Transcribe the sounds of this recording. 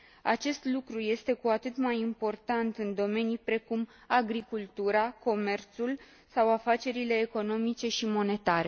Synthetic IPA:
a̰t͡ʃe̞st̪lukɾuje̞st̪e̞kuat̪ɨt̪majimpo̞rt̪ant̪ɨnd̪o̞me̞nijpɾe̞kum | aɡɾikult̪uɾako̞me̞rt̪sul | sawafat͡ʃe̞ɾile̞ːko̞no̞mit͡ʃe̞ʃimo̞ne̞t̪aɾe

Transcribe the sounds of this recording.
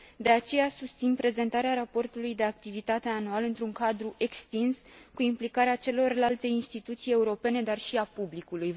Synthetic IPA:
d̪e̞at͡ʃe̞jasust̪sinpɾe̞ze̞nt̪aɾeaɾapo̞rt̪ulujd̪e̞ak̚t̪ivit̪at̪e̞anualɨnt̪ɾuŋkad̪ɾuʔe̞kst̪inskuimplikaɾeat͡ʃe̞lo̞rlalt̪e̞inst̪it̪ut̪sije̞uɾo̞pe̞ne̞d̪arʃiapublikuluj

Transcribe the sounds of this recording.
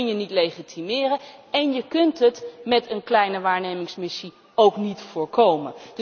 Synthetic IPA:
njənitlejχitʰimɪːrəɛnjəkɵntɦətmɛtənklɛjnəʋaːɹnejmɪŋsmɪsi | owknitfʊːɹkowmə̰nd

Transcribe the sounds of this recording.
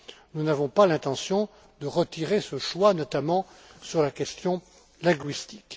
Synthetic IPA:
nunavɔ̃palɛ̃t̪ɑ̃sjɔ̃ | d̪əʁət̪iʁesəʃwanɔt̪amɑ̃ | syʁlakʲɛst̪jɔ̃ | lɛ̃ɡɥist̪ik

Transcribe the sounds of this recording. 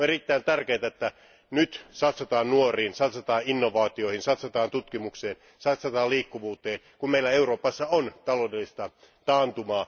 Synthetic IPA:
erit̪ːæint̪ærkeːt̪æet̪ːæ | nyt̪sɑt̪sot̪ɑːnnuoriːnsɑt̪sot̪ɑːinːoʋɑːt̪iohinsɑt̪sot̪ɑːnt̪ut̪kimukseːn | sɑt̪sɑt̪ɑːliːkːuʋuːt̪eːn | kummeilæeuroːpɑsːɑont̪ɑloːdelːist̪ɑ | t̪ɑːnt̪umɑː

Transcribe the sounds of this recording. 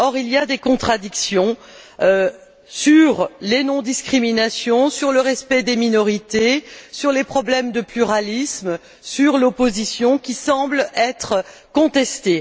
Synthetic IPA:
ɔʁilijad̪ekɔ̃t̪χad̪iksjɔ̃ | syʁlenɔ̃d̪iskχiminasjɔ̃syʁləʁɛspɛd̪eminɔʁit̪esyʁlepχɔblɛmd̪əplyʁalism | syʁlopozisjɔ̃kʲisɑ̃blɛt̪χkɔ̃t̪ɛst̪e

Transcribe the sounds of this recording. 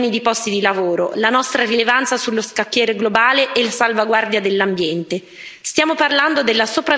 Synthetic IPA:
nid̪ipɔst̪id̪ilavoːɾo̰lanɔst̪ɾarilevant̪sasulːoskakːjɛːɾeɡlobaːleʔelasalvaɡward̪jad̪elːambjɛnt̪e | st̪jaːmoparland̪od̪elːasopɾa

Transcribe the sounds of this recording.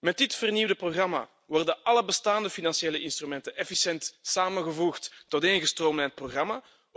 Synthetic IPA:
mɛt̚dɪtfərniwdəproɣrɑma̰ | ʋɔrdənɑləbəstaːndəfinɑnsieːləʔɪnst̪rymɛntənɛfisɛntsaːmənɣəvuxtːɔteːnəɣəstroːmənɛət̚proɣrɑma

